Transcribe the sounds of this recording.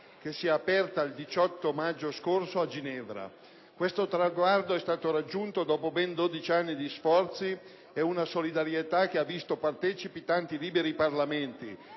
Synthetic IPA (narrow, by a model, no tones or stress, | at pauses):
k̟esːiɛapɛrt̪aild̪it͡ʃɔt̪ːomad͡ʒːoskorsoad͡ʒinɛvɾa̰ | kwest̪ot̪ɾaɡward̪oɛst̪aːt̪oɾad͡ʒːunt̪od̪ɔːpobɛnd̪oːd̪it͡ʃianːid̪isfɔrt̪si | ɛunasolid̪aɾjet̪ak̟ːeavːist̪opart̪ɛːt͡ʃipit̪ant̪iliːbeɾiparlament̪ḭ